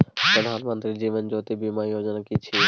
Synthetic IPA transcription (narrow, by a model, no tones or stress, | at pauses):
pɾəd̪ʱaːnmə̃nt̪ɾid͡ʒiːʋənd͡ʒoːt̪ibiːmaːjoːd͡ʒənkit͡ʃʰiː